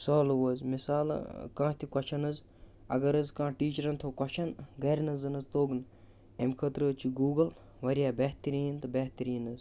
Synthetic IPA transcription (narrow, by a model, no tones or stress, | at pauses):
soːlʋɐzmisaːl̰kãːt̪ʰikɔt͡ʃʰɐnɐz | ɐ̰ɡɐɾɐzkãːʈiːt͡ʃɐɾɐnt̪ʰoːkɐt͡ʃʰɐnɡɐɾnɐzɐnɐzt̪oːɡn | emʲkʰɐt̪ɾəːt͡ʃʰiɡuːɡɐl | ʋɐɾijaːbeht̪ɐɾiːnt̪ɨbeht̪ɐɾiːnɐz